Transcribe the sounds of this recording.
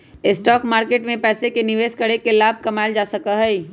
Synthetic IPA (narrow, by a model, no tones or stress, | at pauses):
ɪsʈɔːkmaːɾkeːʈmẽpɛːsekenɪʋeːʃkɐɽekelaːb̚ʱkɐmaːɪld͡ʒaːsɐkaɦɛi